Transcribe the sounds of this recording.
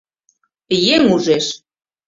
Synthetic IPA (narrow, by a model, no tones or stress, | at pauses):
jeŋuʒeʃ